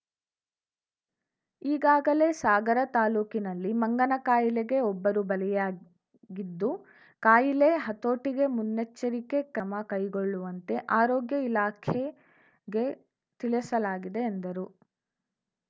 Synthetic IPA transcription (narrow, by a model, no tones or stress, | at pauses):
iːɡaːɡɐle̞ːsaːɡɐɾɐt̪aːluːkinɐlːimɐŋɡɐnɐkaːjileɡe̞ɔbːɐɾubɐlɛjaː | ɡid̪ːu | kaːjileɦɐt̪oːʈiɡe̞munːet͡ʃːɐɾike̞kɐmɐkɐjɡoɭːuʋɐnt̪e̞ʔaːɾɔːɡjɐilaːkʰe | ɡe̞ | t̪iɭɛsɐlaːɡid̪e̞ːnd̪ɐɾu